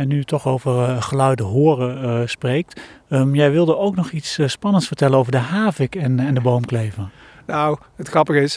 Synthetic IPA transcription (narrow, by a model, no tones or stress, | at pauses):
ɛnytɔχowvərχəlœɥdəɦoːrəsprejk̚təmjɛjʋɪlˠdəowknɔχitsspɑnəntsfəɹtɛlənowvəɹdəɦaːvɪkɛnɛndəbowmklejvən | naw | ətχrɑpəχɪs